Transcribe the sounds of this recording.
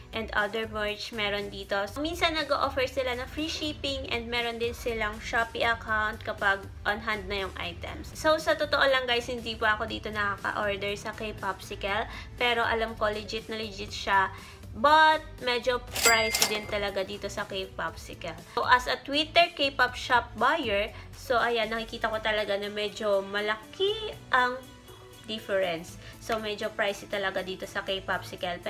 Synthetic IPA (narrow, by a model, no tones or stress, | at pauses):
ʔɛ̃nd̪ʔɐ̰d̪ɛɹmɛɹt͡ʃmɛːɾond̪iːt̪o̞minsɐnːɐɡoʔofɛɹsɪlanɐŋfɹiːʃipɪŋʔɛ̰̃nd̪̚mɛːɾond̪ɪnsɪlaŋʃapɪʔɐkawnt̪̚kɐpaɡ̚ | ʔonɦand̪̚nɐjʊŋʔa̰jt̪ɛ̰msːowsɐt̪ot̪oʔolɐŋɡajshɪnd̪iːpʊʔɐko̞d̪iːt̪o̞nɐkakɐ̰ʔoɹd̪ɛɹsɐkejpʔapsɪkɐl | pɛːɾo̞ʔɐ̰lamkolɪd͡ʒɪt̪̚nɐlɪd͡ʒɪt̪ʃa | bɐt̪̚mɛd͡ʒo̞pɹajsd̪ɪnt̪ɐlɐɡad̪iːt̪o̞sɐkejpapsɪkɐlʔɐsɐt̪wit̪ɛɹkejpɐp̚ʃap̚bajɛɹ | soʔɐjanːɐkɪkiːt̪ɐko̞t̪ɐlɐɡanɐmɛd͡ʒo̞mɐlɐkiʔɐŋ | d̪ɪfɛɹɛnsːomɛd͡ʒopɹajsɪt̪ɐlɐɡad̪iːt̪o̞sɐkejpapsɪkɛlp